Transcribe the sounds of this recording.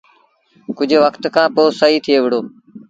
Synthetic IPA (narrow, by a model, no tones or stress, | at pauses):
kʊd͡ʒʱʋəkt̪kʰãːpoːsəɦiːt̪ʰɪjeːʋɪɽ̤oː